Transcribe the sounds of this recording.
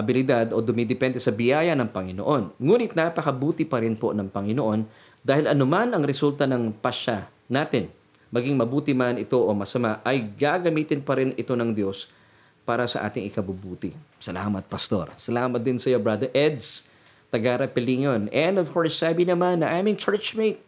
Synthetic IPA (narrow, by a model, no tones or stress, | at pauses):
ʔɐbɪlɪd̪ad̪o̞d̪ʊmid̪ɛpɛnd̪ɛsɐbɪjaːjɐnɐŋpɐŋɪnoʔo̞nŋuːnɪt̪̚napɐkɐbuːt̪ɪpɐɾɪnpo̞nɐŋpɐŋɪnoʔo̞n | d̪aːhɪlɐnomanɐŋɾɛsult̪ɐnɐŋpɐʃa | naːt̪ɪn | mɐɡiŋmɐbuːt̪ɪmanɪt̪o̞ʔomɐsɐmaʔɐjɡaɡɐmiːt̪ɪnpɐɾɪnɪt̪o̞nɐŋd̪jo̞s | paːɾɐsɐ̰ʔa̰ːt̪ɪŋʔɪkɐbubuːt̪ɪsɐla̰ːmɐt̪̚pɐst̪o̞̰ɾsɐlaːmɐt̪̚d̪ɪnsɐjo̞bɾad̪ɛɹʔɛd̪s | t̪ɐɡaːɾɐpɪliŋonɛnd̪ovko̞ɹsːaːbɪnɐmanːɐʔaːmɪŋt͡ʃɛɹt͡ʃmejt̪̚